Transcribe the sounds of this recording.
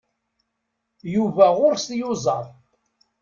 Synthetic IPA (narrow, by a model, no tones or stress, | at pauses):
juvæʁʊɾst̪jʊzˤɑɾˤ